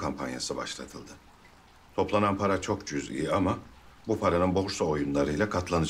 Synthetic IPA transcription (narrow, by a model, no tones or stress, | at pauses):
kʰampʰa̰nja̰sɯba̰ʃlˠa̰t̪ʰɯlˠd̪ɯ | t̪ʰo̞plˠananpʰaɾat͡ʃʰo̞kt͡ʃʰyzḭjiama | bupʰaɾanɯnboɾsaojunlˠaɾɯlʲɛkʰat̪lˠanɯ